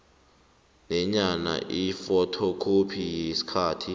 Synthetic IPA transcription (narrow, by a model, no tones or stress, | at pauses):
nɛɲana̰ʔifɔtʰɔkʰupʰijisi̥kʰaːtʰi